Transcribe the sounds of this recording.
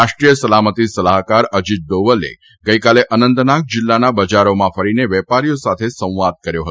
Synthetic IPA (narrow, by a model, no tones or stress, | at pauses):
aʃʈɾijəsəlamət̪isəlaɦkaɾəd͡ʒid̪̚ːoʋəlḛ | ɡəjkaleʔənənt̪nak̚d͡ʒɪlːanabəd͡ʒaɾomãfəɾineʋɛpaɾijosat̪ʰesə̃w̃ʋad̪̚kəɾjoɦət̪o